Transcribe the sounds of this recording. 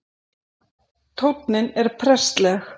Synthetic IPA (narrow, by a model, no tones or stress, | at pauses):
t̪ʰowpnɪnɛɾ̥pʰɾɛst̪lɛx